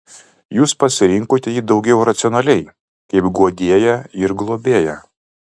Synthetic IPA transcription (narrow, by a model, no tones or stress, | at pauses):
juːspɐsʲɪɾʲɪŋkoːt̪ʲɛjiːd̪ɒʊɡʲɛʊɾɐt̪sʲɪɔnɐlʲɛɪ | kɐɪpɡuɔd̪ʲiɛjɛɪɾɡlˠoːbʲeːjɛ